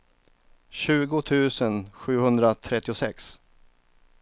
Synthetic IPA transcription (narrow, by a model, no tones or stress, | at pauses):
ɕʉ̟ːɡʊt̪ʰʉ̟ːsənɧʉ̟ːhɵnd̪ɾat̪ʰɾɛt̪ːɪʊsɛ̰ks